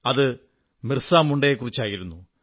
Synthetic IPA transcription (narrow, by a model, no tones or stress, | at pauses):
ɐðɨ | mirsaːmuɳɖejekːurit͡ɕːaːjiɾunːu